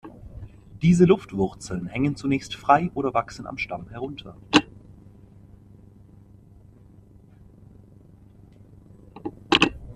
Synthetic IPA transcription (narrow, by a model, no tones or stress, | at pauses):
d̥iːzəlʊftv̥ʊʁt͡sl̩nhɛŋənt͡sunɛːçstfʁ̥aɪʔoːɾɐvaksn̩a̰mʃtamhɛʁʊntʰɐ̰